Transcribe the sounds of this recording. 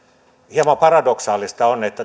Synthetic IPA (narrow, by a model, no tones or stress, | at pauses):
hiemɑpɑrɑdoksɑːlist̪ɑonet̪ːæ